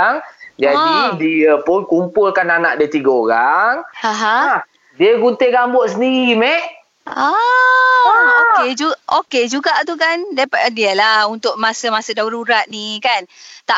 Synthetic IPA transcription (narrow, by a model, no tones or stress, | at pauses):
ŋd͡ʒaidiəpʊnkumpulkananaʔdiət̪iɡaoɾaŋãɦã | diəɡunt̪eɡambʊʔsəndiɾimɛʔ | a | oed͡ʒuʔoked͡ʒuɡaʔt̪ukandajpadiəlahunt̪ʊʔ̚mãsəmasədaɾuɾat̪̚nĩkant̪a